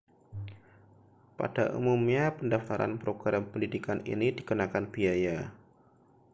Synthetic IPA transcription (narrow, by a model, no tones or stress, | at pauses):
pa̰daʔṵmumɲapəndaft̪aɾa̰npɾoɡ̥ɾampəndidikanḭnidikənakanbiaja